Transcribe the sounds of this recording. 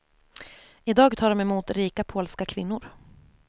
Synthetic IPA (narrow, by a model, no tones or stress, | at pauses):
ɪd̪ɑːɡt̪ʰɑːɾɔmɛmuːt̪ɾiːkapʰoːlskakʰvɪ̰nːʊɾ